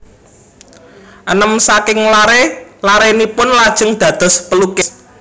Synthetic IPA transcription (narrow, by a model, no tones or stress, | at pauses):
ʔənəmsakɪŋlaɾelaɾenipʊnlad̥ʒ̥ə̤ŋd̪̥ä̤d̪̥ɔ̤spəlukɪs